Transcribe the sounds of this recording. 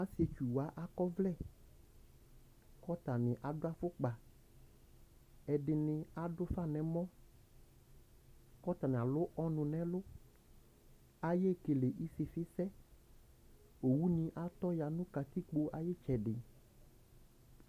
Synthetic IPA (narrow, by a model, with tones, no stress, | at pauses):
a˦si˨˦e˨t͡ʃu˨wa˦ʔa˦kɔ˦vlɛ˦˨ | kɔ˦t̪a˨nɪ̃˨ʔa˨ɖʊ˦a˨fʊ˦k͡pa˨ | ɛ˨ɖɪ˨nɪ̃˨a˦ɖdʊ˦fa˦˨nɛ̃˨mɔ̃˦ | kɔ˦t̪a˨nɪ̃˨a˨lʊ˦ʔɔ˦nʊ̃˨nɛ̃˨˦lʊ˦ | a˨je˦ke˨le˨ʔi˦sɪ˨fɪ˦sɛ˦ | o˨wu˦nĩ˨˦ʔa˦t̪ɔ˦ja˨nʊ̃˦ka˨t̪i˦k͡po˦ʔa˨je˦t͡ʃɛ˨ɖɪ˨